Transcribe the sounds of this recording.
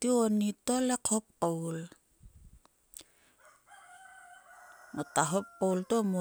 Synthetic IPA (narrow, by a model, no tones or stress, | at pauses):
tionitolekʰop̚kowl | nataɦop̚kaultomo